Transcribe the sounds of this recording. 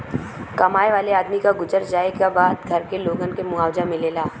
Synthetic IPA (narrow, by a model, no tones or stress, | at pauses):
kɐmaːjʋaːleaːd̪mikaɡʊd͡ʒəɾd͡ʒaːekabaːd̪ɡʱɐɾkeloːɡənkemʊaːwd͡ʒamɪleːlaː